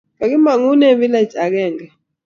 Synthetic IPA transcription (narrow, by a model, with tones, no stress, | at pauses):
ŋa˨k̬i˦ma˨ŋu˦nɛ˦ɓi˦la˦˨t͡ʃʼa˨k̬ɛː˦˨ŋɡɛ˨